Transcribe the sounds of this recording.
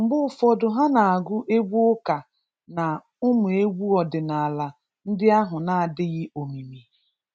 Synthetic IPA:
m̩˨ɡ͡bʊ˦˨fɔ˦dʊ˨ɦa˦na˨a˨ɡʊ˦ʔe˦ɡʷu˦ʊ˦ka˨ | na˨ | ʊ˦mʊ˨e˦ɡʷu˦ɔ˨dɪ˨na˨a˨la˨ | n̩˦dɪ˦a˦ɦʊ˨na˨a˨dɪ˦ɣɪ˦o˨mi˨mi˨

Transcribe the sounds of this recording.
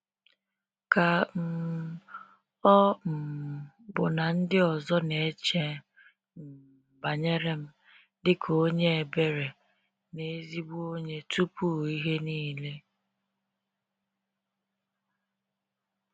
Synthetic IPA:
ka˨m̩˦ | ɔ˦m̩˨ | bʊ˨na˨n̩˦dɪ˦ɔ˨zɔ˦ne˨˦t͡ʃe˦ | m̩˨ | ba˨ɲe˦ɾe˦m̩˦ | dɪ˦kʰo˦ɲe˦e˨be˨ɾe˨ | ne˦zi˦bu˦o˦ɲe˦tu˦pu˦i˦ɦe˦niː˦le˦

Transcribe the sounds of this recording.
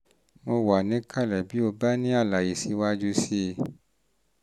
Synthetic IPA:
mo˧wa˨nĩ˨˦ka˦˨lɛ˨bi˨˦o˧ba˦nĩ˦a˦˨la˨ji˨si˧˦wa˦d͡ʒu˦si˦˧˨

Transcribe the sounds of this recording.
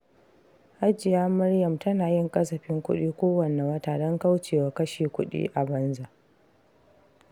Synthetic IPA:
ʔa˦d͡ʒɪ˨jaː˦mɐ˦rjɐ˨mtɐ˦naː˨jɪ˦ŋkʼɐ˦sɐ˨ɸɪ˦ŋkʷʊ˦ɗiː˦kʷoː˦wɐ˨ne˨wɐ˦taː˨dɔ˦ŋka˦wt͡ʃeː˨wa˨kɐ˦ʃiː˨kʷʊ˦ɗḭː˦ʔa˨bɐ˦nza˨ʔ

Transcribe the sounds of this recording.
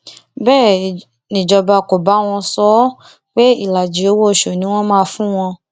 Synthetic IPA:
bɛː˦˨ | nĩ˨d͡ʒɔ˨ba˧ko˨ba˨˦w̃ɔ̃˧sɔ˦ | k͡pe˦i˦˨la˨d͡ʒi˨˦o˦wo˦˨ʃo˨nĩ˦w̃ɔ̃˦mãː˦˧fũ˦w̃ɔ̃˧

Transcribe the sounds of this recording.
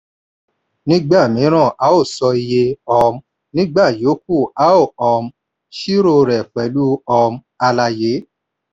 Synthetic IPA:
nĩ˦ɡ͡ba˦˨mĩ˨˦ɾ̃ã˦˨ʔa˨˦o˦˨sɔ˧i˧je˧ɔ˧m˦ | nĩ˦ɡ͡ba˦˨jo˨˦k̚u˦˨a˨˦o˦˨ɔ˧m̩˦ | ʃi˦ɾo˦˨ɾɛ˨k͡pɛ˨˦lu˦ɔ˧m˦ | a˧la˧je˨˦

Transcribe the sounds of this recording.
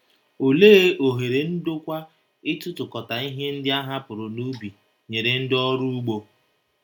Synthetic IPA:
o˨leː˦ʔo˨ɦe˨ɾe˨n̩˦do˦kʷa˦ | ɪ˦tʊ˦tʊ˨kɔ˨ta˨i˦ɦe˦n̩˦dɪ˦a˦ɦa˦pʊ˨ɾʊ˨nu˦bi˨ | ɲe˨ɾe˨n̩˦dɪ˦ɔ˦ɾu˦u˦ɡ͡bo˦

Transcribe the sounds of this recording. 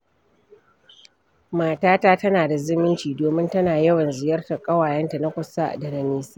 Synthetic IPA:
maː˨taː˦taː˦tɐ˦naː˨da˨zɪ˦mɪ˦nt͡ʃiː˨doː˨mɪ˦ntɐ˦naː˨jɐ˦wɐ˨nzɪ˨jɐ˦rta˨kʼɐ˦waː˨jɛ˦nta˨na˦kʷʊ˨sa˦ʔda˨nɐ˨niː˦sa˦

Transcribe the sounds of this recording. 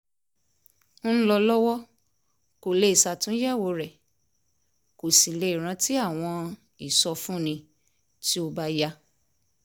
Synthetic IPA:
lɔ˧lɔ˦wɔ˦ | ko˨le˦˨i˨sa˨˧˨tũ˦jɛ˦˨wo˧ɾɛ˨ | ko˨sĩ˨le˧i˨ɾ̃ã˧˦ti˦a˦˨w̃ɔ̃˧ | i˨sɔ˧fũ˦˨nĩ˧ | ti˦o˧ba˦ja˧

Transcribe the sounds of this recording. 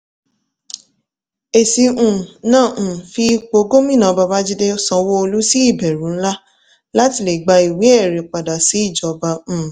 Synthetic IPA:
e˨si˧ũ˨nãː˦˨fi˧k͡po˧ɡo˦mĩ˦˨nã˨˧ba˧ba˦d͡ʒi˦de˦o˦sã˧wo˦o˧lu˦si˦i˦˨bɛ˨ɾũ˨˦n̩˦la˦ | la˦ti˧˨le˨ɡ͡ba˧i˨we˨˦ɛ˦˨ɾe˨k͡pa˨da˨si˨˦i˦˨d͡ʒɔ˨˧bã˧˨

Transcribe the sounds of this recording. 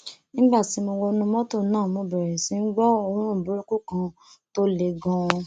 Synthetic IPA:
nĩ˦ba˦˨ti˨˦mo˧wɔ˧nũ˧˦mɔ̃˦to˦˨˦nãː˦˨mõ˧bɛ˨ɾɛ˨sĩ˨˦n̩˦ɡ͡bɔ˦o˧˦ɾ̃ũ˦˨bu˨˦ɾu˦ku˦kã˧ | to˦le˨˧ɡɔ̃˧

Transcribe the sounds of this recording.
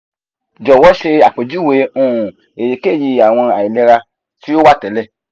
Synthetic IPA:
d͡ʒɔ˨wɔ˨˦ʃe˧a˨k͡pe˨d͡ʒu˦˨we˨˦ũ˦˨ | e˨je˨ke˦˨ji˧a˨w̃ɔ̃˧a˨i˨lɛ˧˦ɾa˧ | ti˦o˦wa˦˨tɛ˨˦lɛ˦˨

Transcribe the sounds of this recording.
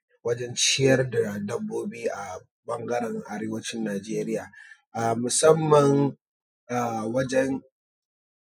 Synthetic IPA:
wɐ˦d͡ʒɛ˦nt͡ʃɪ˦jɐ˦rda˨dɐ˦bːoː˦biː˦ʔa˨ | bɐ˦ŋɡɐ˦ɾɛ˨ŋʔa˨ɾeː˦wɐ˦t͡ʃɪ˦nːaː˨d͡ʒeː˦ɾɪ˦jaː˨ʔa˨mʊ˨sɐ˦mːɐ˨ŋ | ʔa˨wɐ˦d͡ʒɛ˦n

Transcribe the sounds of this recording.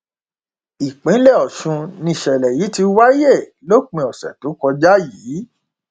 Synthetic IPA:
i˨k͡pĩ˨˦lɛ˦˨ɔ˨ʃũ˧nĩ˧˨ʃɛ˨lɛ˨ji˨˦ti˧wa˦je˦˨lo˦k͡pĩ˧˨ɔ˨sɛ̰˨to˨˦kɔ˧d͡ʒa˦jiː˨˦

